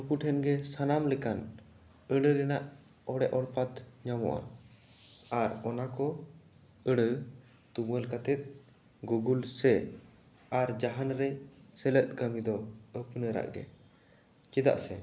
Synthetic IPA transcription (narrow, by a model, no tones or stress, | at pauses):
nupuʈʰɛnɡɛsanamlɛkan | əɽəɾɛnaʔ | ɔɽɛʔɔɽpat̪ɲamɔ̰ʔa̰ | aɾɔnakɔ | əɽə | t̪uməlkat̪ɛt̪̚ | ɡuɡulsɛ | aɾd͡ʒaɦanɾɛsɛlət̪̚kəmid̪ɔəpnəɾa̰ʔdɛ̰ | t͡ʃid̪a̰ʔsɛ